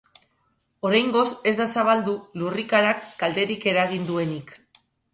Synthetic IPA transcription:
o̞ɾajŋɡo̞se̞zd̪asaβ̞ald̪ulurikaɾakːald̪e̞ɾike̞ɾaɣ̞ind̪ue̞nik

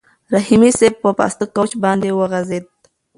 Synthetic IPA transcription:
ɾahimiseb̚pəpɑ̰st̪əkot͡ʃbɑnd̪ewəɣazed̪̚

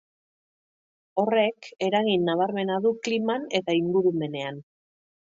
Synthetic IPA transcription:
o̞re̞ke̞ɾaɣinːaβ̞aɾme̞naðuklimane̞t̪aiŋɡuɾume̞ne̞an

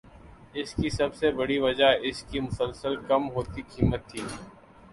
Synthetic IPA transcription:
ɪskisɐbsebɐɽiʋɐd͡ʒaɪskimʊsəlsəlkɐmɦoːt̪ikiːmət̪ʰːiː

